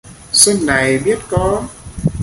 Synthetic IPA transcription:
sə˧nːa˨˩jɓi˦˥ət̚kɔ˨˦

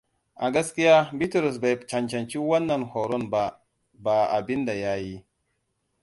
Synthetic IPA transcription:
a˨ɡa˦ski˦ja˦bi˦tɾu˨s̬ba˨t͡ʃa˨nt͡ʃa˨nt͡ʃi˦wa˦nːa˨nho˨ɾo˦nba˨ | ba˨a̰˨bi˦nda˨ja˦ji˦

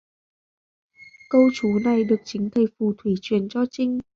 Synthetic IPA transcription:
kə˧wt͡ɕu˨˦na˨˩jɗɨ˨˩ək̚t͡ɕï˨˦ŋ̟t̪ʰə˨˩jfu˨˩t̪ʰwi˧˩t͡ɕwḭ˨˩ənt͡ɕɔ˧t͡ɕï˧ŋ̟

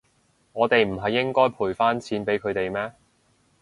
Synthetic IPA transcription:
ŋɔː˨˧t̪e˨jm̩˨˩ɦɐ˨jːɪ˥ŋkɔː˥jpʰuː˨˩jfaː˥nt͡sʰiː˨˥npe˨˥jkʰɵ˨˧ɥt̪e˨jmɛː˥

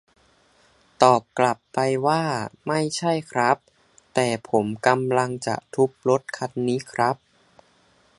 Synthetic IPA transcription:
t̪ɔː˨˩p̚kla˨˩pːa˧jwaː˥˩ma˥˩jt͡ɕʰa˥˩jkʰɾa˦˥p̚ | t̪ɛː˨˩pʰo˩˦mka˧mla˧ŋt͡ɕa̰˨˩ʔt̪ʰu˦˥p̚lo˦˥t̪̚kʰa˧nːiː˦˥kʰɾa˦˥p̚

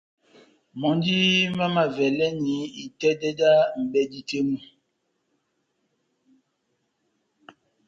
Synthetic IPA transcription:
mɔ˨n˦di˦ma˦ma˨vɛ˨lɛ˦ni˨˦i˨tɛ˦dɛ˦da˦m̩˨bɛ˦di˦te˦mu˦

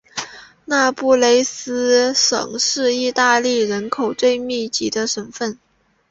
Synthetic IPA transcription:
na˥˧pu˥˩le˥ɪsɹ̩˥ʂɤ̰˨˩ŋʂɻ̩˥˧i˥˧t̪a˥˧li˥˩ɻə˧˥nkʰo˨˩ʊt͡swe˥˧ɪmi˥˩t͡ɕi˧˥d̪ə˧ʂə˨˧˩nfə˥˩n

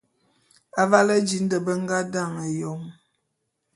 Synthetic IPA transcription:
a˨va˦lə˦d͡ʒi˨n̩˦də˨bə˦ŋ˦ɡa˦da˦˨ŋə˨jɔ˨m

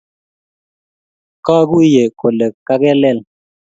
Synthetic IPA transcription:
kɔ˦ɡu˦je˨ko˨lɛ˨ka˦kɛ˦lɛ˦˨l

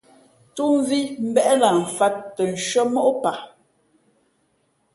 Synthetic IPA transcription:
tu˦m˦vi˦m̩˦bɛ˦ʔla˨ɱ̩˨fa˦tːə˨n̩˨ʃɥə˦mɔ˦ʔpa˨

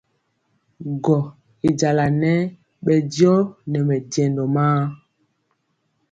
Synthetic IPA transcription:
ɡɔ˨ | i˨d͡ʒa˨la˨nɛ˦ | ɓɛ˨djɔ˦nɛ˨mɛ˨dɛ˨ndɔ˨maː˦

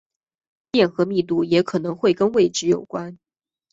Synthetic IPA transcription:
pjɛ˥˩nxɤ˧˥mi˥˧t̪̬u˥˩jɛ˧˥kʰɤ˨˩nɤ˧˥ŋxwe˥˩ɪkə˥nwe˥˩ɪʈ͡ʂɻ̩˧˥jo˨˩ʊkwa˥n

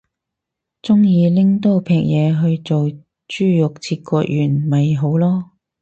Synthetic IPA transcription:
t͡sʊ˥ŋjiː˨˧lɪ˥ŋt̪o˥wpʰɛː˧k̚jɛː˨˧ɦɵ˧ɥt͡so˨w | t͡ʃyː˥jʊ˨k̚t͡sʰiː˧t̚kɔː˧˥k̚jʔyː˨˩nmɐ˨jɦo˨˥wlɔː˥

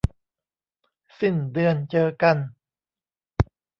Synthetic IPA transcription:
si˧˩ndɯ˧ənt͡ɕɤː˧ka˧n

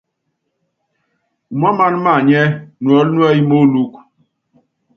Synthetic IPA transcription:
u˨ma˦ma˦n˦ma˦˨ɲɛ˦nu˨ɔ˨˦lnu˦ɛ˦ji˦mo˦lu˦k

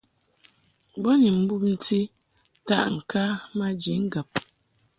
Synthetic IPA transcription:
bɔ˦ni˨m̩˦bu˦p̚n̩˦ti˦ | ta̰˦ʔŋ̩˨ka˦ma˦d͡ʒi˨˦ŋ̩˦ɡə˨p̚

